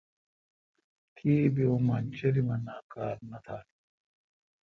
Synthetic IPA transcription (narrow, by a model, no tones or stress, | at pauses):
kʰiːbiumɐnt͡ɕɐɾimɐnaːkaːlnɐt̪ʰaː